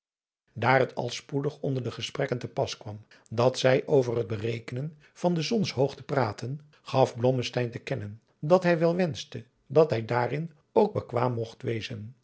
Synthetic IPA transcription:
daːrətʰɑ̰lˠspudəχɔndəɹdəχəsprɛkəntəpɑskʋɑm | dɑtsɛjʔowvərɦəd̚bərejkənən | v̥ɑndəzɔnsɦowχtəpraːtən | χɑfblɔməstɛjntəkɛnən | dɑtɦɛjʋɛlˠʋɛnstə | dɑtɦɛjdaːrɪn | owɡ̚bəkʋaːmːɔχtʋejzən

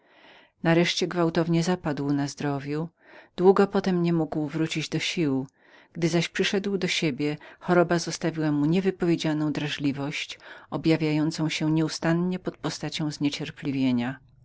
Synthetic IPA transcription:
naɾɛʂt͡ɕɛɡvawt̪ɔvɲɛzapad̪wnazd̪ɾɔvʲju | d̪̥wuɡɔpɔt̪ɛmɲɛmuɡwvɾut͡ɕid͡ʑd̪ɔɕiw | ɡ̥d̪ɘzaɕpʂɘʂɛd̪wd̪ɔɕebʲjɛxɔɾɔbazɔst̪avʲiwamuɲɛvɘpɔvʲjed͡ʑanɔ̃w̃d̪ɾaʐlʲivɔɕt͡ɕɔbʲjavʲjajɔnt̪sɔ̃w̃ɕɛɲɛust̪anɲɛpɔt̪̚pɔst̪at͡ɕɔ̃w̃zɲɛt͡ɕɛɾplʲivʲjeɲa

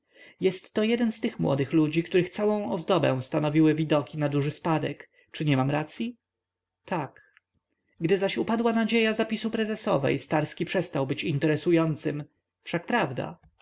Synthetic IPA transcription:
jɛst̪ːɔjɛd̪ɛnst̪ɘxmwɔ̰d̪ɘxlud͡ʑikt̪uɾɘxt̪sawɔ̃w̃ɔzd̪ɔbɛ̰̃w̃st̪anɔvʲiwɘvʲid̪ɔkʲinad̪uʐɘspad̪ɛk | t͡ʂɘɲɛmamɾat̪sʲji | t̪ʰak | ɡd̪ɘzaɕupad̪wanad͡ʑejazapʲisupɾɛzɛsɔvɛ̰jst̪aɾskʲipʂɛst̪awbɘt͡ɕint̪ɛɾɛsujɔnt̪sɘm | fʂak̚pɾavd̪a̰

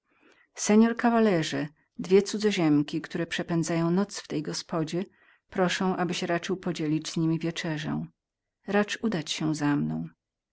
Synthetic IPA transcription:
sɛɲɔɾkavalɛʐɛ | d̪vʲjɛt̪sud̪zɔʑɛmkʲikt̪uɾɛpʂɛpɛnd̪zajɔ̃w̃nɔt̪sft̪ɛjɡɔspɔd͡ʑɛ | pɾɔʂɔ̃w̃ʔabɘɕɾat͡ʂɘwpɔd͡ʑelʲid͡ʑz̥ɲimʲivʲjɛt͡ʂɛʐɛ̰̃ | ɾat͡ʂud̪at͡ɕɕɛzamnɔ̃w̃

